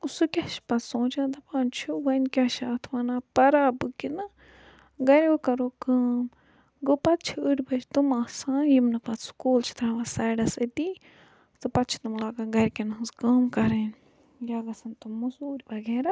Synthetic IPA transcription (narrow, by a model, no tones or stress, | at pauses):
usukʲaʃi̥pɐt̪ʰsõːt͡ʃãːd̪ɐpaːnt͡ʃʰuʋɐnkʲaːʃaːt̪ʰʋaːnaːpɐɾaːbɨkinɨ | ɡɐɾʲokɐɾoːkaːm | ɡopɐt̪̚t͡ʃʰiəɽʲbɐɾt̪umaːsãjimnɐpɐt̪ʰskoːlt͡ʃʰi̥t̪ʰɾãʋɐsaːɖɐsɐt̪i | t̪ɨpɐt̪̚t͡ʃʰi̥t̪umlaːɡaɡɐɾʲkinɦɨnzkaːmkɐɾeːn | jaːɡɐsɐnt̪umɐsuːɾʲbɐɡeːɾa